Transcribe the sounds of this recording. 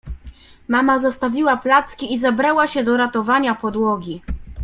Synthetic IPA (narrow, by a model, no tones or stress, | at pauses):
mamazɔst̪avʲiwaplat̪skʲiizɛbɾawaɕɛd̪ɔɾat̪ɔvaɲapɔd̪wɔɡʲi